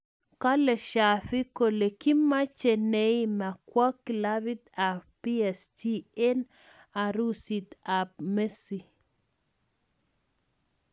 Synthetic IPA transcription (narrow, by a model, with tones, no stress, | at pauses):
ka˦le˨ʃa˨fi˦ko˨le˨ki˦ma˦t͡ʃe˨ne˦ima˨kwa˦kla˦βi˦t̪a˨fpiɛ˨st͡ʃie˦n | a˨ɾu˦si˨t̪ap̚me˦si˨